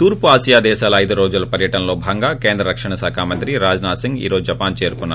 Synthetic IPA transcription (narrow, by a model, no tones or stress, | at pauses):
t̪uːɾpuaːʃijaːd̪ɛːʃaːlɐɐjd̪uɾoːd͡ʒulɐpɐɾjɐʈɐnlo̞ːbʱɐŋɡaːkeːnd̪ɾɐɾɐkʂɐɳɐsaːkʰaːmɐnt̪ɾiɾaːd͡ʒnaːsiŋɡḭːɾoːd͡ʒd͡ʒɐpaːnt͡ʃe̞ːɾukunːaːɾ